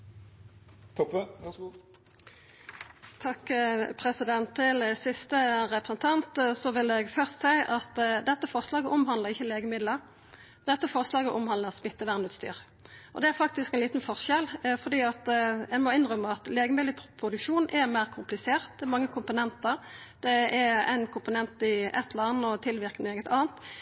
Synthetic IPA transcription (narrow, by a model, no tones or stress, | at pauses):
t̪ʰɔp | t̪ʰɑkːpʰʁɛsɪd̪ɛnt̪ʰːɪlsɪst̪əʁɛpɾʁəsnt̪ʰɑnt̪sɔʋɪld̪əɛɡfœʁst̪sæɪʔɑt̪d̪ɛt̪ːəfɔʁʂlɑːɡəʔɔmhɑnləʁɪçːəleːɡəmɪd̪ləʁ | d̪ɛt̪ːəfɔʁʂlɑːɡəʔɔmhɑnd̪əʁsmɪt̪ːəʋæʁnʉːt̪st̪y̰ːʁ | ʔɔd̪ɛæɾfɑk̚t̪ɪskɛnliːt̪nfɔʁʂɛlfɔʁd̪iːɑt̪ɛmɔɪnʁœmːəɑt̪leːɡəmɪd̪əpʰʁʊd̪ʉkʂuːnʔɛmæɪʁkʰʊmplɪseːʁt̪̚d̪ɛɛmɑŋːəkʰʊmpʊnɛnt̪əʁ | d̪ɛɛɛ̰ɪnkʰʊmpʊnɛnt̪ɪɛt̪ʰlɑnːɔt̪ʰɪlʋɪɾkneːɡət̪ɑːnt̪